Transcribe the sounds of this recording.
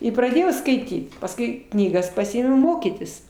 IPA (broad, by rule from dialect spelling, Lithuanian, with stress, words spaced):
ɪ prɐˈdʲeːjɛʊ skɐɪˈtʲiːt pɐsˈkʊɪ knʲiːˈɡɐs pɐˈsʲɪɪmʊ ˈmoːkʲiːtʲɪs